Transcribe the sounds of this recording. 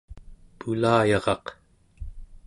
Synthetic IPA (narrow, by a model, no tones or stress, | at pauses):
pulaːjɑʁɑq